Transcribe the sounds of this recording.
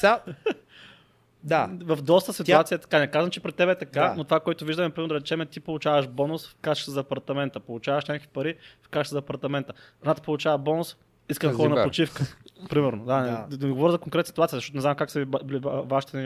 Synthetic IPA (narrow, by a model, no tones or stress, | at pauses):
d̪avɐfd̪ɔst̪əsit̪uat̪sijəɛt̪ɐ̥kanɛkazɐmt͡ʃɛpɾɛt̪ːɛbɛt̪ɐkanot̪ovakoɛt̪ʊviʒd̪ɐmɛpɾimɛɾnod̪ɾɛt͡ʃɛmɛt̪ipolˠʊt͡ʃavəʃbɔnʊsfkat͡ʃt̪əzpɐɾt̪ɐmɛnt̪əpolˠʊt͡ʃavɐʃnʲakəkvipɐɾifkat͡ʃʃt̪zpɐɾt̪ɐmɛnt̪ə | ɐnat̪ə̥polˠʊt͡ʃavɐbɔnʊs | iskəmxɔɾɐnɐpɾot͡ʃifkəpɾimɛɾnod̪anɛd̪ɡovɔɾəzɐkoŋkɾɛt̪sit̪at̪siəzʃtɔt̪onɛzamkaksɐibilivaʃi̥t̪ɛnɛ